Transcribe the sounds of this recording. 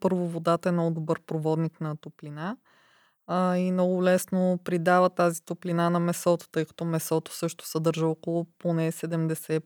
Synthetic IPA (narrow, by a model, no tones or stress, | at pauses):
pɤɾvovod̪at̪əɛnɔd̪obɤɾpɾovɔd̪niknɐt̪oplina | imnɔɡʊlɛsnopɾid̪avət̪azit̪ʊplinanɐmɛsɔt̪o̥t̪ɤjkɐ̥t̪ɔmɛsɔt̪o̥sɤʃt̪ʊ̥sɛd̪ɤɾʒəɔkolˠʊponɛsɛd̪ɛmd̪ɛsɛ